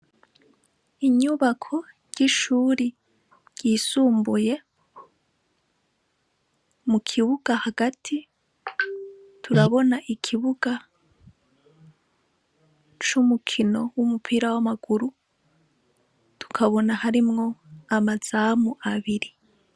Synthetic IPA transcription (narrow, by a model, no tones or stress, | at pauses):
iɲuβakʰo̞ | ɟ̥iʃuːɾi | ɟ̥iːsuːmbuje̞ | mukʰiβuɡ̥ahaɡatʰi | tʰuɾaβo̞naʔikʰiβuɡa | t͡ʃumukʰino̞wumupʰiːɾawamaɡ̥uɾu | tʰu̥kʰaβo̞nahaɾimŋo̞amaz̥amuʔaβiɾi